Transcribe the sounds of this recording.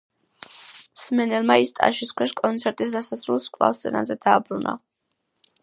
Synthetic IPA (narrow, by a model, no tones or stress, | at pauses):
smɛnɛlˠmaist̪ʼa̰ʃiskʰwɛʃkʼɔnt̪sʰɛɾt̪ʼis̬d̪asasɾulˠskʼlˠa̰fst̪sʼɛ̰na̰zɛd̪aːbɾuna̰